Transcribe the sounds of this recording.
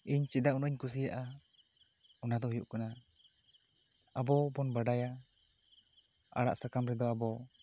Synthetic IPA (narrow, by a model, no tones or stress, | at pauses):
iɲt͡ʃɛdaunɔiɲkus̬ijaʔa | ɔnad̪ɔɦujṵʔkɔna | abɔbɔnbaɖaja | a̰ɽa̰ʔsakamɾɛd̪ɔabɔ